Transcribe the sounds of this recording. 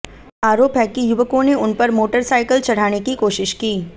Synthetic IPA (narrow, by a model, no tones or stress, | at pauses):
aːɾoːpɦɛkijʊʋəkõneʊnpɐɾmoːʈəɾsaːɪkəlt͡ʃɐɽ̤aːnekikoːʃɪʃkiː